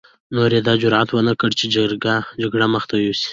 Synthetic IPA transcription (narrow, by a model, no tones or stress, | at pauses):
noɾed̪ɑd͡ʒʊɾʕat̪wənəkəɽt͡ʃed͡ʒaɾɡad͡ʒaɡɽaməxt̪awowsi̥